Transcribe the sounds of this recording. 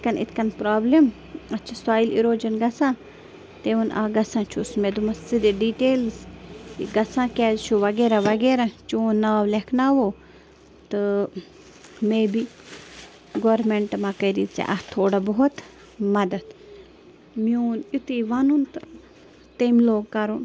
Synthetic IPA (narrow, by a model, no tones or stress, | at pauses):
t̪kɐnḭt̪ʰkɐnpɾaːblem | ɐtːt͡ʃʰɐsaːjilḭɾoːd͡ʒɐnɡɐsãː | t̪eːʋunʔa̰ɡɐsãːt͡ʃʰusmed̪umɐssid̪eɖiːʈeːlsḭɡɐsãːkʲɛːzt͡ʃʰuʋɐɡeːɾaʋɐɡeːɾat͡ʃoːnnːaːʋlekʰnaːʋoː | t̪ɨ | meːbi | ɡoːɾmeɳʈmãːkɐɾit͡sḛʔɐht̪ʰoːɽabɐɦut̪ | mɐd̪ɐd̪ | miuːnit̪iʋɐnunt̪ɨ | t̪emloːɡ̚kɐɾun